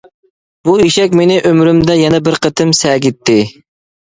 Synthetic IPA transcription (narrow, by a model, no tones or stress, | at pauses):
buiʃɛkʲmenɪʔømɾymd̪ɛjɛnɛbɪɾqʰət̪ʰɨmsɛːɡʲit̪ʰːɪ